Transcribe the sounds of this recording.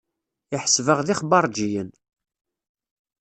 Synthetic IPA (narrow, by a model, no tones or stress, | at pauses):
ɪħə̥svəʁðiχbɑɾˤd͡ʒijən